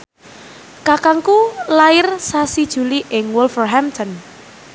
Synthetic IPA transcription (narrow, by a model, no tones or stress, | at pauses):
kakaŋkulaɪrsasid̥ʒ̥ṳliʔɪŋwʊlfɔrɦɛmt̪ʰɔn